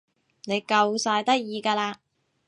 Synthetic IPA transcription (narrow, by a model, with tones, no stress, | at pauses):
ne˨˧jkɐ˧wsaː˧jt̪ɐ˥k̚jiː˧kaː˧laː˧